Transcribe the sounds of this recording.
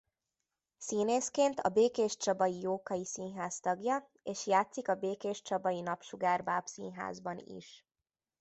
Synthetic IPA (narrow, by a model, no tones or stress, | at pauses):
siːneːskeːnt̪ɒ̰beːkeːʃt͡ʃɒbɒjijoːkɒjisinɦaːst̪ɒɡjɒ | eːʃjaːt̪sikɒbeːkeːʃt͡ʃɒbɒjinɒpʃuɡaːrbaːpsḭnɦa̰ːzbɒnḭʃ